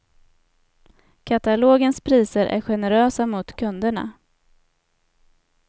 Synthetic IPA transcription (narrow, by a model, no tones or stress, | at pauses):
kʰat̪aloːɡənspʰɾiːsəɾʔæ̰ɾɧɛnɛɾøːsamʊt̪kʰɵnd̪əɳa̰